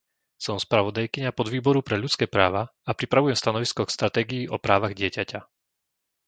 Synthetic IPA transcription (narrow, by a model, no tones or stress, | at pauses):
sɔmspɾaʋɔd̪ajkiɲapɔd̪ʋiːbɔɾupɾɛʎut͡skɛːpɾaːʋaapɾipɾaʋujɛmst̪anɔʋiskɔkst̪ɾat̪ɛːɡijiʔɔpɾaːʋaɣɟɪɛcaca